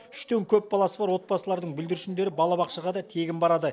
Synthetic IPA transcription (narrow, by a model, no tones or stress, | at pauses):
ʏʃt̪e̞ŋkʲʰɵp̚bɑlˠɑsəbɑɾwo̞t̪̚bɑsəlˠɑɾd̪əɴbɪld̪ɪɾɪʃɪnd̪e̞ɾɪbɑlˠɑbɑqʃɑʁɑd̪ɑt̪ʰe̞ɡʲɪnbɑɾɑd̪ə